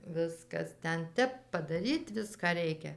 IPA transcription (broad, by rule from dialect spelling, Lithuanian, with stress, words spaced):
ˈʋʲɪskɐs ˈtʲɛn ˈtʲɛp pɐdɐˈrʲiːt ˈʋʲɪskɑː ˈrʲɛɪkʲɛ